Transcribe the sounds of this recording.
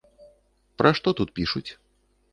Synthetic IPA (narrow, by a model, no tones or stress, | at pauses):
pɾʔaʂt̪ɔt̪ut̪̚pʲiʂut͡sʲ